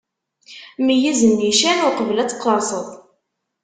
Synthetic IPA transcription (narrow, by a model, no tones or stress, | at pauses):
mijizənːiʃænʊɾqəvəlæt͡sːqːəɾˤsˤəðˤ